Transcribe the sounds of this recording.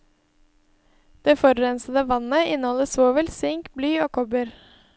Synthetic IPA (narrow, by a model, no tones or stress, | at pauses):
d̪̥eːfɔɾɾɛnsəd̪əʋɑnəɪnəhɔləsoːʋəlsɪŋkblyːoːkʰɔbəɾ